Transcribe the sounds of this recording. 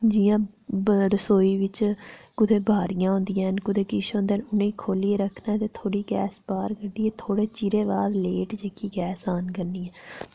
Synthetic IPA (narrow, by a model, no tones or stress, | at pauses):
d͡ʒɪjãːɾəsoːiːʋɪt͡ʃkʊt̪ʰeːbʱaːɾɪjãːɦõːnd̪ɪjãːnkʊt̪eːkɪʃõːnd̪eːnʊnẽːiːkʰoːliːeɾəkʰnaːt̪eːt̪ʰoːɽiːɡɛːsbaːɾkəɖiːeːt̪ʰoːɽeːt͡ʃiɾeːʋaːɾleːʈd͡ʒeːkiːɡɛːsaːnkəɾniːɛ̃ː